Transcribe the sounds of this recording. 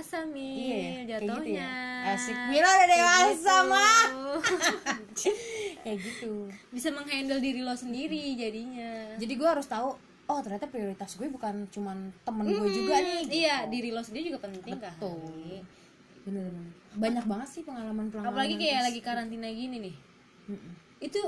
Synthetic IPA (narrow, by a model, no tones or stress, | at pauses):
asamiijajd͡ʒat̪oh̪uɲaasik̚miladadewasama | ajaɡit̪ubisaməŋɦandəldiɾilɔsəndiɾid͡ʒadiɲad͡ʒadiɡuɛɦaɾʊst̪au | ɔt̪ərɲat̪apɾioɾit̪asɡuɛbukant͡ʃumant̪əmənɡuɛd͡ʒuɡaniijadiɾilɔsəndiɾid͡ʒuɡapənt̪ɪəŋtkah̪o | bənəbaɲak̚baŋət̪sɪhpəŋalamanpəlaapalaɡikajalaɡikaɾant̪inaɡininɪh | m̩m̩ | it̪u